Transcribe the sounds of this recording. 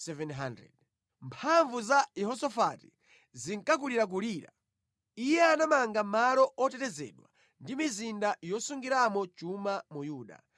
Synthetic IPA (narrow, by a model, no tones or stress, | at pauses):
sɛvɛnɦandɾɛ̰d̚ | mpʰaɱvuzaɛɦɔsɔfati̥ | ziŋkak̬uliɾak̬uliːɾa | ijɛanamaŋɡamaɾɔɔtɛtɛzɛ̰ɗwa̰ | ndimizindajɔsuŋɡiɾamɔt͡ʃumamujuːɗa̰